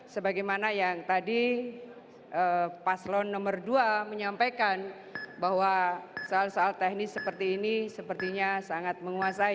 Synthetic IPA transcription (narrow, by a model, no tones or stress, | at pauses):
səbaɡajmanajaŋt̪adi | ʔəpaslɔnːɔmərduaməɲampajkan | baɦwasoalsoalt̪ɛhnɪsəpərt̪iːnisəpərt̪iɲasaŋat̪̚məŋuasai